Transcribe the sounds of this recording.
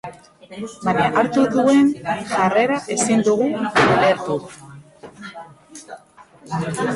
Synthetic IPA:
baɲaʔaɾt̪uðue̞nʝare̞ɾaʔe̞sind̪uɣuale̞ɾt̪u

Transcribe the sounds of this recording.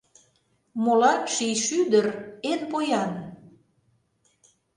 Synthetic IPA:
molɑnʃijʃyd̪ərenpojɑn

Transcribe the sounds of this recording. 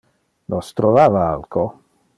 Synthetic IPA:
nost̪ɾovaːvaalkʰo

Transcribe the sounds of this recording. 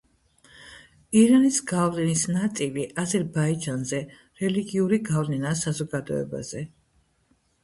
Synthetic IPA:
iɾanisɡavlɛnisnat̪sʼiliʔazɛɾbaid͡ʒanzɛ | ɾɛliɡiuɾiɡavlɛnasazɔɡad̪ɔ̰ɛ̰ba̰z̥ɛ

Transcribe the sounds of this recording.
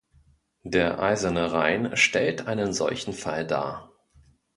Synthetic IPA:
d̥eːɐʔa̰ɪzɐnəʁaɪnʃtɛltʔaɪnənzɔ̰lçn̩falda̰ːɐ

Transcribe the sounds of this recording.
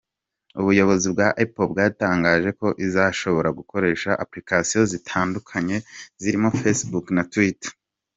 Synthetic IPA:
uβujo̞βo̞zibɡaʔepobɡaːtaːŋɡaːʒe̞ko̞ʔizaʃo̞βo̞ɾaɡuko̞ɾe̞ːʃaʔaplikasijo̞zitʰaːndukʰaɲe̞ziɾimo̞fesbuknatwitḁ

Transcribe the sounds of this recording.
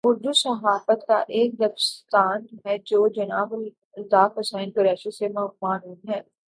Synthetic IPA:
ʊɾd̪usɐɦaːfət̪ka̰ʔeːk̚d̪ɐbst̪aːnɦɛd͡ʒoːd͡ʒɐnaːb | t̪aːfəsaːɪnkəɾɛːʃisemɐmaːnuːnɦɛː

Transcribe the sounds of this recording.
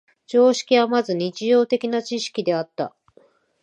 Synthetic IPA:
d͡ʑo̞ːɕi̥kʲiβamazɨɲ̟it͡ɕijo̞ːt̪e̞kʲinat͡ɕiɕi̥kʲid̪e̞at̪ːa̰

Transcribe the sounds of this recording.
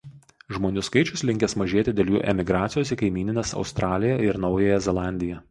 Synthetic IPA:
ʒmoːnʲuːskɐɪt͡ʃʲʊslʲɪŋʲkʲɛsmɐʒʲeɛt̪ʲɪd̪ʲeːlʲjṵːʔɛmʲɪɡɾɑːt̪sʲɪjoːsikɐɪmʲiːnʲɪnʲeːsɒ̰ʊst̪ɾɑːlʲɪjɛɪɾnɒʊjɛjɛzʲɛlˠɑˑnʲd̪ʲɪjɛ

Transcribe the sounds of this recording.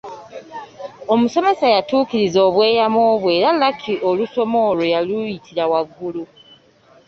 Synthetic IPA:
o̞muso̞me̞sajatuːkiɾizo̞ːβwe̞ːjamoːβwe̞ːɾalːakʰiʔo̞luso̞mo̞ːlojalujitʰiɾawaɡːulu

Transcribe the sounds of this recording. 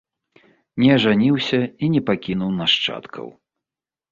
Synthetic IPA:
nʲɛɐʐanʲiwsʲɐinʲɛpakʲinuwnaʂt͡ʂa̰t̪kʰɐ̰w

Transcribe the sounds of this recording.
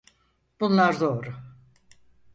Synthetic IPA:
b̥unlˠaɾd̪o̞ːɾʊ

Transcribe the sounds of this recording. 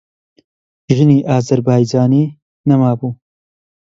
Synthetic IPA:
ʒɨniːʔaːzɐɾbaːjd͡ʒaːniː | nɐmaːbuː

